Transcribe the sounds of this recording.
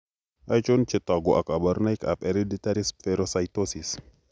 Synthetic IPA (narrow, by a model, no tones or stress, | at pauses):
ʔajt͡ʃunt͡ʃet̪aɡoʔakʼabaɾnajka̰peɾedit̪aɾisfeɾosajt̪osis